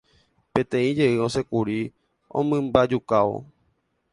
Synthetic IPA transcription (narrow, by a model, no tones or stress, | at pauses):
pẽt̪ẽĩd͡ʒe̞ʔɨosekuɾi | õ̰mɨ̃mbad͡ʒukaʋo̰